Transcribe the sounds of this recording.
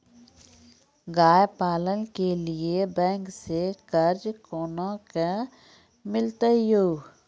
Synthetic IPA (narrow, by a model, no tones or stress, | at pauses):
ɡaːjpaːlənkeliebɛ̃ːŋksekəɾd͡ʒkoːnãka | mɪlt̪əjoːɡ